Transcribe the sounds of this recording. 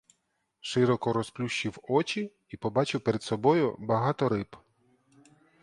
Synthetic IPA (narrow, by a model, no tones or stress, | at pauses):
ʃɪɾɔkɔɾɔsplʲuʃːiwɔt͡ʃʲi | ipɔbɑt͡ʃʊwpeɾed̪sɔbɔjʊ̰bɐɦɑt̪ɔɾɪp